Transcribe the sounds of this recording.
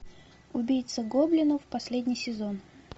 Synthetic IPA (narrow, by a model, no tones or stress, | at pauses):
ʊbʲijt̪səɡoblʲɪnʊfpɐsʲlʲedʲnʲɪjsʲɪzon